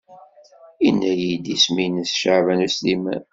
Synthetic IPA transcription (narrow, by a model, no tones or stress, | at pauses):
inːæjid̪isminəsʃavænuslimæ̰n